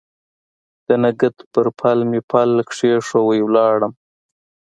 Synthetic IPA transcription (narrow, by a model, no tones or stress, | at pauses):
d̪̥ənaɡət̪pəɾpʰalmipʰalkʂeʂowəjwlɑɽəm